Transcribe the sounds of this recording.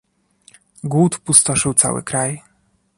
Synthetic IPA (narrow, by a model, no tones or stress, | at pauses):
ɡwut̪pust̪ɔʂɘwt̪sa̰wɘ̰kɾaj